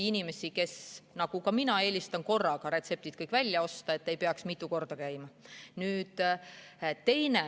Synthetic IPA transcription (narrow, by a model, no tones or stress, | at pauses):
inime̞sike̞snɑɡ̥ukɑminɑe̞ːlʲist̪ɑnko̞rːɑɡ̥ɑɾe̞t̪se̞p̚t̪id̪̥kɤjkːˑvælʲjɑo̞st̪ɑe̞t̪ːe̞jpe̞ɑksmit̪ːˑuko̞rd̪̥ɑkæjmɑnyːd̪̥ | t̪e̞jne̞